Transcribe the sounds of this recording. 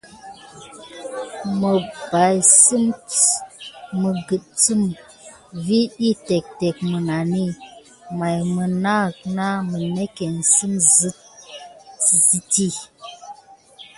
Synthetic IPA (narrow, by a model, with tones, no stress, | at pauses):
mə˨ba˨jsɨ˦m | ə˨ɡɨ˨t̚t͡sɨ˦m | vi˦ɗi˦te˨k̚te˨k̚mə˨na˨ni˦˨ | ma˨jmə˨na˦˨k̚na˦mə˨ne˦ke˨n˨sɨ˦mzɨ˦t̚ | zi˦ti˦